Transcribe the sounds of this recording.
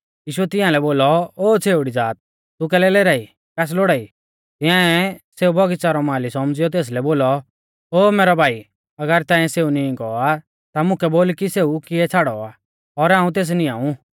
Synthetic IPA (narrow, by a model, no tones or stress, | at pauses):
jiːʃʊɛt̪ɪ̃jãlɛboːlɔoːt͡sʰeːʊɽid͡zaːt̪̚ | t̪uk̬ɛːlɛleːɾaːi | kɛːs̬loːɽaːi | t̪ɪ̃ãɛseːubʱɔɡit͡saɾɔmãːlisɔmd͡zɪijɔt̪̬eːs̬lɛboːlɔ | oːmeːɾɔbʱaːi | ɐɡəɾt̪ãːɛ̃seːunĩɡɔa | t̪amʊ̃kɛboːlkiseːukɪɛt͡sʰaːɽɔaː | ɔɾãːũt̪eːs̬nĩaːũ